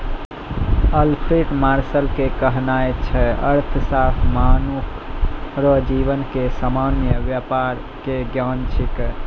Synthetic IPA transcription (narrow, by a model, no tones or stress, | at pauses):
əlpʰɾiʈmaɾsəlkekəɦnajt͡ʃʰɛə̰ɾt̪ʰsat̪ʰmanukʰ | ɾɔd͡ʒiʋənkesamanjəbjapaɾ | keɡjant͡ʃʰik